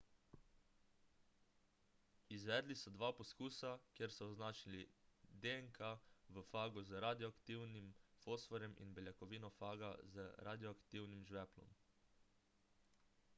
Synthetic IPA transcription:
izʋɛːd̪lisɔd̪ʋaːpɔskuːsakjeɾsɔːznaːt͡ʃilid̪eɛŋkʰaʋəfaːɡɔzɾaːd̪jɔakt̪iːwnimfoːsfɔɾjɛmḭnbɛljakɔʋiːnɔfaːɡa̰zəɾʔa̰ːd̪jɔakt̪iːwnimʒʋɛːplɔ̰m

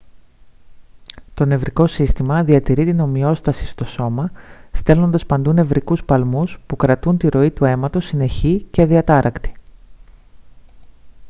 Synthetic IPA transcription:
t̪o̞ne̞vɾiko̞sist̪imɐðiɐt̪iɾit̪ino̞mio̞st̪ɐsi̥st̪o̞so̞mɐst̪e̞lo̞nd̪ɐspɐnd̪une̞vɾikuspɐlmuspukɾɐt̪unt̪iɾo̞it̪ue̞mɐt̪o̞sine̞çiceðiɐt̪ɐɾʔɐkt̪i̥

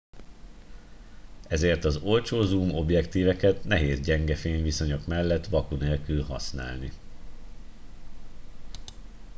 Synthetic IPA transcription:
ɛzeːrt̪ɒzo̞lt͡ʃoːzumo̞bjɛkt̪iːvɛkɛt̪nɛɦeːzɟɛŋɡɛfeːɲviso̞ɲo̞kmɛlːɛt̪ːʋɒkuneːlkylɦɒsna̰ːlni

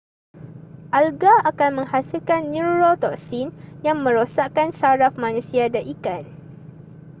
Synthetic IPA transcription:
ʔalɡaakanmə̃ŋhasilkanːuɾot̪ɔk̚sinjaŋmə̃ɾosaʔkansaɾafmãnũsiadaʔikan

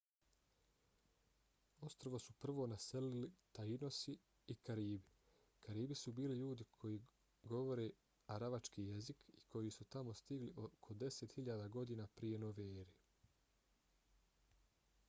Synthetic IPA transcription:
o̞st̪ɾoʋo̞supr̩ʋo̞ːnase̞lilit̪aino̞si | ikaɾiːbi | kaɾiːbisubiːliʎuːd̪ikʰo̞jiː | ɡo̞ʋo̞ɾeː | aɾaʋat͡ʃkiːje̞zikikʰo̞jisut̪amo̞st̪iɡliʔokʰo̞d̪e̞set̪hiʎaːd̪aɡo̞d̪iːnaːpɾije̞noʋeːɾi

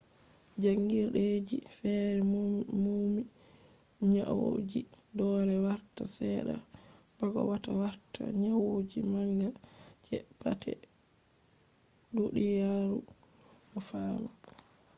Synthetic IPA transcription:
d͡ʒaŋɡiɾɗed͡ʒifɛɾɛmmmumi | ɲawo̰d͡ʒidɔnɛwaɾtasɛɗa̰ | b̥aɡɔ̰watawaɾtʰa̰ɲawod͡ʒimana | d͡ʒɛpa̰tʰɛ̰ | doɗijaɾuɗɔfaːnɔ

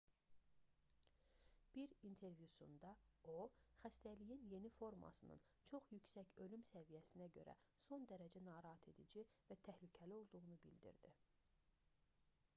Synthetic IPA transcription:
b̥iɾint̪ʰe̞ɾvjusund̪ɑo̞xæst̪ælijinje̞nifo̞ɾmɑ̰sɯnɯ̰n | t͡ʃʰo̞χjycsæcø̞lymsævijæsinæɟø̞̰ɾʔæ̰so̞nd̪æɾæd͡ʒænɑːɾɑɦɑt̪ʰe̞d̪id͡ʒivæt̪ʰæhlycʰælio̞lˠd̪uʁunubild̪ḭɾd̪ḭ

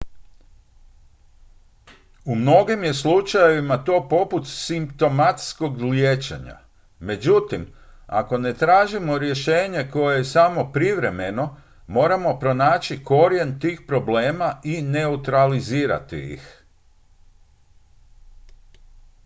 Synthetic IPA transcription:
umno̞ɡimje̞slˠut͡ʃajeʋimat̪o̞ːpo̞put̪simpt̪o̞mat̪sko̞ɡljeːt͡ʃḛɲa̰ | me̞d͡ʑut̪ima̰ko̞ne̞t̪ɾaːʒimo̞ɾje̞ʃe̞ːɲe̞ko̞jejesamo̞pɾiʋɾe̞me̞no̞ | mo̞ːɾamo̞pɾo̞naːt͡ʃiko̞ɾjent̪iːxpɾo̞ble̞ːmaine̞ut̪ɾaliziːɾa̰t̪ḭḭx

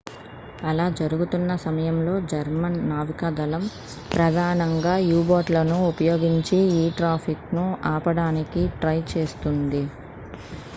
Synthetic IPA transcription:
ɐlaːd͡ʒɐɾuɡut̪unːɐsɐmɐjɐmlo̞ːd͡ʒɐɾmɐnːaːʋikɐd̪ɐlɐm | pɾɐd̪ʱaːnɐŋɡaːjuːboːʈlɐnuupɐjo̞ːɡiɲt͡ʃiiːʈɾaːpʰiknuaːpɐɽaːnikiʈɾɐjt͡ʃe̞ːst̪und̪i

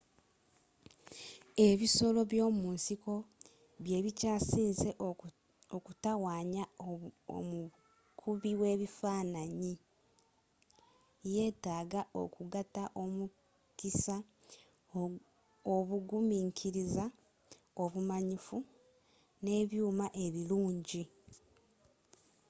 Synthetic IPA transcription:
e̞βiso̞lo̞βjo̞ːmuːnsiko̞ | βje̞ːβicaːsiːnze | okutawaːɲao̰mu | kʰuβiwe̞ːβifaːnaɲi | je̞ːtaːɡaʔo̞̰kuɡataʔo̞mu | kisa | oβuɡumiːŋkʰiɾiza | o̞βumaɲifu | ne̞ːβjuːmaʔe̞βiluːɲɟi

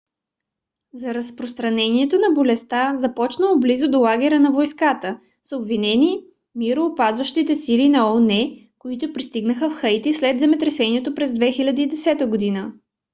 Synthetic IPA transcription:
zɐɾɐspɾost̪ɾɐnɛniɛt̪onɐbolɛst̪azɐpɔt͡ʃnəlˠoblizʊd̪olˠaɡʲɛɾənɐvojskat̪ə | sobvinɛni | miɾoːpazvəʃt̪it̪ɛsilinɐɔnɛ | koit̪ʊpɾist̪iɡnəxəfxɤjt̪islɛd̪zɛmɛt̪ɾɛsɛniɛt̪opɾɛzd̪vɛxilʲɐd̪əːd̪ɛsɛt̪əɡod̪inə

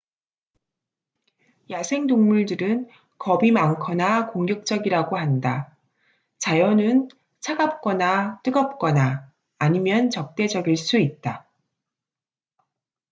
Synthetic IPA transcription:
jasʰe̞ŋdoŋmuɭdɯɾɯn | kʌbimaŋkʰʌnakoŋɡjʌk̚t͡ɕ͈ʌɡiɾaɡoɦanda | t͡ɕajʌnɯn | t͡ɕʰaɡap̚k͈ʌnat͈ɯɡʌp̚k͈ʌnaː | ɲimjʌnt͡ɕʌk̚t͈e̞d͡ʑʌɡiɭs͈uit̚t͈a

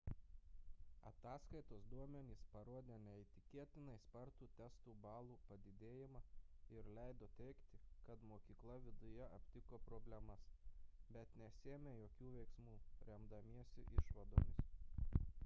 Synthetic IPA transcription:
ɐ̰t̪ɑːskɐɪt̪oːsd̪uɔmʲɛnʲiːspɐɾuɔd̪ʲeːnʲɛɪt̪ʲɪkʲeɛt̪ʲɪnɐispɐɾt̪uːt̪ʲɛst̪uːbɑːlˠuːpɐd̪ʲɪd̪ʲeːjɪmɑːɪɾlʲɛɪd̪oːt̪ʲɛɪkt̪ʲɪkɐt̪moːkʲiːklˠɐʋʲɪd̪ʊjɛɐpʲt̪ʲɪkoːpɾoːbʲlʲɛmɐsbʲɛt̪nʲɛsʲeːmʲeːjoːkʲuːʋʲɛɪksmuːɾʲɛmd̪ɐmʲiɛsʲɪ̰ʔɪʃʋɐd̪o̰ːmʲɪs

